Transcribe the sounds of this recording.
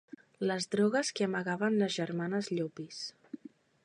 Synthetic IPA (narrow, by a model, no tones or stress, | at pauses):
ləzðɾɔɣəskeəməɣaβənləzʒəɾmanəzʎopis